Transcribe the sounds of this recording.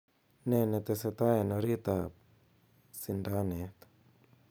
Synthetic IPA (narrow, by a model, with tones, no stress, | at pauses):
ne˨ne˨t̪e˧se˧t̪a˦e˨noɾi˦t̪a˨ | si˨nda˦ne˨t̪